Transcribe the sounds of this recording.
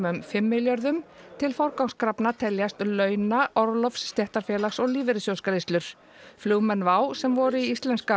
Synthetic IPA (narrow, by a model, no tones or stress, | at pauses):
ʏmfɪmːɪljœɾðʏmt̪ʰɪlfawɾkawŋskɾapnat̪ʰɛljast̪lœːɥnaʔɔɾlɔfsːt̪jɛht̪aɾ̥fjɛːlaxsɔɣliːvɪɾɪsjowskaɾɪst̪ʏɾ̥ | fluːɣmɛnːvaːwsɛmvɔɾʏiist̪lɛnska